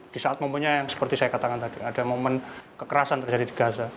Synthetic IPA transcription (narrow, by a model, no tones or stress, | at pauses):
d̥isaʔat̪̚məmpuɲajaŋsə̥pərt̪isajakat̪akant̪adiadamomənkəkəɾasant̪ərd͡ʒadidibaɦasa